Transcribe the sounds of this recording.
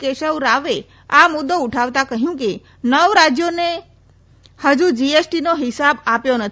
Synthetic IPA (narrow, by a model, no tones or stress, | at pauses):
keʃəʋɾaʋe | amʊd̪ːouʈʰaʋt̪akəɦjũke | nəʋɾad͡ʒjone | həd͡ʒud͡ʒiesʈinoɦɪsabapjonət̪ʰ